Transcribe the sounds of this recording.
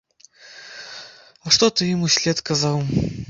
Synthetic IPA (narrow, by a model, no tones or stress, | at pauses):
ɐʂt̪ɔt̪ɨjimusʲlʲɛt̪kazaw